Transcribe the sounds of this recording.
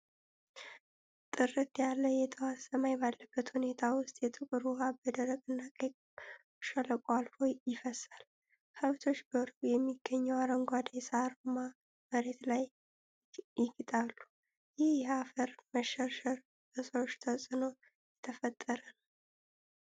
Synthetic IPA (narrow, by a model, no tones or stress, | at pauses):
t̪ʼɨrɨt̪jalːəjɛt̪ʰəwasəmajbalːəbːət̪hune̞t̪ʰawʊst̪ʼjɛt̪ʼɨkʼɨɾuhabəd̪əɾəkʼɨnːakʼəkʼ | ʃələkʼalhojɪfəsal | həβt̪ʰo̞t͡ʃːbəɾbujɛmːiɡːəɲːɛwaɾəŋɡʷad̪jsaɾma | məɾe̞t̪laj | jɪɡɨt̪ʼalːu | jɪhjɛafəɾməʃəʃəɾ | əsot͡ʃːt̪ʰəsʼɨno | jɛt̪ʰəfət̪ʼːəɾən